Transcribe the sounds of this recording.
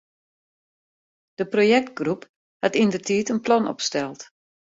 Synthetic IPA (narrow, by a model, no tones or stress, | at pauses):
d̥əprojɛk̚t̚ɡrup | hatindərtʰiːtənplɔnɔ̰pstɛlˠt